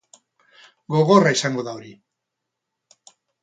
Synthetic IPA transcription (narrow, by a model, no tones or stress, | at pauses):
ɡo̞ɣo̞raisaŋɡoðaoɾi